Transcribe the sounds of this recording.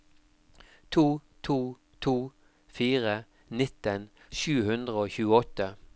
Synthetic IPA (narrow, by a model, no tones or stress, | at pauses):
t̪ʰuːt̪ʰuː | t̪ʰuː | fiːʁə | nɪt̪ən | ʃʉːhʉnd̪ʁəoːçʉːəɔt̪ə